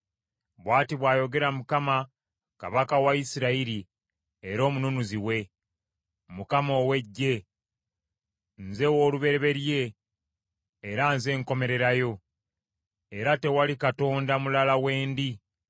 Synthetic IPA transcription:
βwaːtiβwaːjo̞ɡe̞ɾamukama | ka̰βakawaisiɾaiɾi | eɾo̞ːmununuziwe̞ | mukamo̞ːwe̞ɟːe̞ | nze̞woːluβe̞ɾeβe̞ɾje̞ | ɾanze̞ŋko̞me̞ɾe̞ɾajo̞ | eɾate̞walikato̞ːndamulalawe̞ːndi

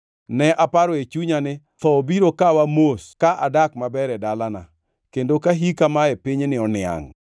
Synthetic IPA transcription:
nɛʔapaɾɔet͡ʃuɲanɪ | t̪ɔbiɾokawamoskaʔadakmabɛɾɛdalana̰ | kendokaɦikamaepiɲnɪɔnɪa̰ŋ

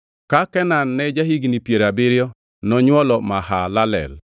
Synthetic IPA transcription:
kakɛnanːɛd͡ʒaɦiɡnipjeɾabɪɾjɔ | nɔɲwɔlɔmahalalɛ̰l

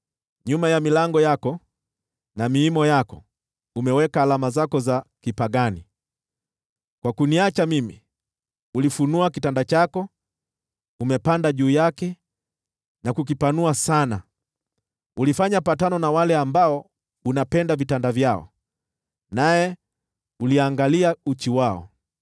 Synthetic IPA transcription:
ɲumajamilaŋɡɔjakɔ | namiimɔjakɔ | umɛwɛkaːlamazakɔzakipaɡani | kwakuniat͡ʃamimḭ | ulifunuakitandat͡ʃakɔ | umɛpandaʄuːjakɛ | nakuk̬ipanuasana | ulifaɲapatanɔnawalɛambaɔ | unapɛndavitandavjaɔ̰ | najɛ | uliaŋɡaliaut͡ʃiwaɔ̰

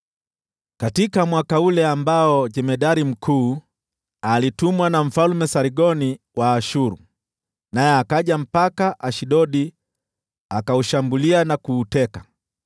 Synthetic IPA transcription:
katikamwakaulɛambaɔd͡ʒɛmɛɗaɾim̩kʰuː | alitumwanaɱ̩falmɛsaɾiɡɔni | waːʃuɾu | najɛakaʄam̩pakaʔaʃiɗɔɗi | akauʃambulianakuːtɛka

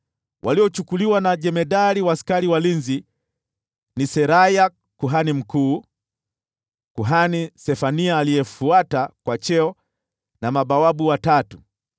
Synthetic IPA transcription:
wʔaliɔt͡ʃukuliwanaʄɛmɛɗaɾiwaskaɾiwalinzi | nisɛɾaja | kuɦanim̩kuː | kuɦanisɛfaniaːliɛfuatakwat͡ʃɛɔ | namaɓawaɓuwatatu

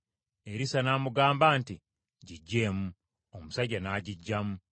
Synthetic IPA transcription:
eɾisanamuɡaːmbaːnti | ɟiɟːe̞ːmu | omusaɟanaɟiɟːamu

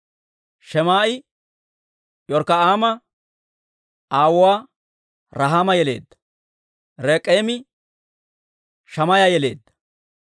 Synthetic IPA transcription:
ʃɛmaːʔɪ | jɔɾkɐaːmɐ | aːwʊwaː | ɾɐɦaːmɐjɛle̞̰ːd̪ːɐ̥ | ɾeːkʼːeːmɪ | ʃɐmɐjajɛle̞̰ːd̪ːɐ̥

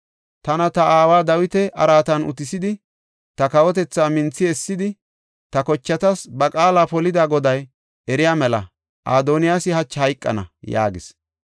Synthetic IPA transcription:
t̪ɐnɐt̪ɐaːwaːd̪ɐwɪt̪ɛɐ̰ɾaːt̪ɐnʊ̰t̪ɪsɪd̪ɪ | t̪ɐkɐwɔt̪ɛt͡sːaːmɪnt͡sːɪɛsːɪd̪ɪ | t̪ɐkɔt͡ʃːɐt̪ɐsbɐkʼaːlaːpɔlɪd̪aːɡɔd̪ɐj | ɛɾɪjaːmɛlɐ̰ | ʔa̰ːd̪oːnɪjaːsɪhɐt͡ʃːhɐjkʼːɐ̰nɐ̰ja̰ːɡɪs

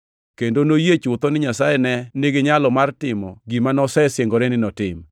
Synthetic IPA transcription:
kendonojet͡ʃʊt̪ɔnɪɲasajɛnɛnɪɡɪɲalɔmartɪmɔɡimanɔsɛsjeŋɡɔɾenɪnɔtɪm

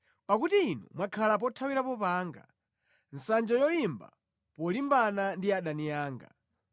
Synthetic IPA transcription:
pakutiːnṵmwakʰalap̬ɔtʰawiɾapɔpaːŋɡa̰ | n̩sand͡ʒajɔlimba̰ | pɔlimbanandiaɗanijaːŋɡa̰

